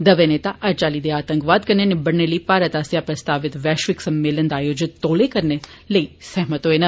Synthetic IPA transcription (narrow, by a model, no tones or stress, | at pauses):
d̪ɐʋeneːt̪aʔɐɾt͡ʃaːlid̪eaːt̪ə̃ŋkʋaːd̪kəɾnenebɐɽnːelipaːɾət̪aːsjapɾɐst̪aːʋɪt̪ʋɛːʃʋɪksɐmːeːlənd̪aːjoːd͡ʒɪt̪ːoːlekəɾne | ləisɛɦmət̪oenɐ